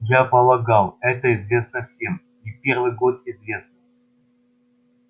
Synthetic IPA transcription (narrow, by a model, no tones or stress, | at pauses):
japəlˠɐɡalˠɛt̪əɪzvʲe̞snəfsʲem | ipʲe̞rvɨjɡo̞t̪̚ɪzvʲe̞snə